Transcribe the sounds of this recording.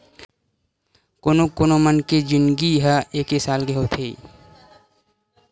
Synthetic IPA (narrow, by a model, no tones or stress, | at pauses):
koːnokoːnomənked͡ʒɪnɡiɦaeːkɦesaːlɡəɦot̪ʰeː